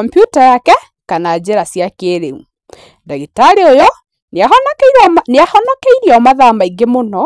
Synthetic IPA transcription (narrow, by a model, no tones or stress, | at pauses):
ɔmpjutajakɛ | kanaːd͡ʑeɾasjakeɾeu | daɣetaɾeojɔ | naɔnkeneahɔnɔkeiɾiɔmaðamaiɡemonɔ